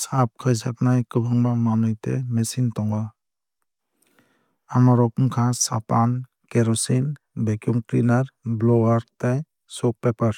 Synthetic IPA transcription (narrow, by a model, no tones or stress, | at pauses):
sap̚kʰɯjs̬aknajkɯbʱɯŋbamanɯjtḛmesintɔŋba | amɔɾɔkuŋkʰãsapan | keɾɔsin | bekjuŋkɾinaɾblɔwaɾtaj | sɔk̚pepaɾ